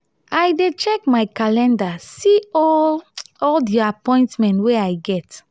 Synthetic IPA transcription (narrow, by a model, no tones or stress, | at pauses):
ajdet͡ʃɛkmajkalɛ̃ndasiɔ | ɔldiapɔ̃ɪ̃ntmɛ̃ntweajɡɛt